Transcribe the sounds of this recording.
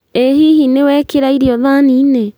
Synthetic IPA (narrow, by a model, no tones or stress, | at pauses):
eɦiɦinewɛkeɾaiɾiɔðaniːne